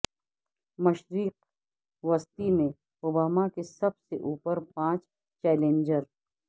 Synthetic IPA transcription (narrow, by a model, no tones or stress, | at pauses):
mɐʃɾiːq̚ | ʋɐst̪imẽ | ʊbaːmakesɐbseʔuːpəɾpãːt͡ʃ | t͡ʃɛːlẽːɲd͡ʒəɾ